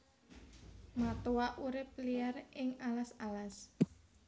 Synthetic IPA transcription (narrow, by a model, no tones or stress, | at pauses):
mat̪uwaʔuɾɪp̚liarɪŋalasalas